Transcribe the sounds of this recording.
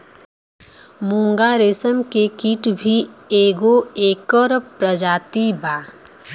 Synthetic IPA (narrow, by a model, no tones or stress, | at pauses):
mũːŋɡaɾesəmkekiːʈbʱieːɡoeːkəɾpɾəd͡ʒaːt̪ibaː